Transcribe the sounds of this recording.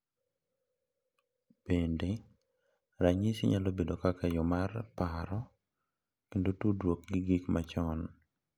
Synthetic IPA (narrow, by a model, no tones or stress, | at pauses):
pende | ɾaɲisiɲalobedokakajɔmarpaɾɔ | kendotudwok̚ɡɪɡikmat͡ʃɔn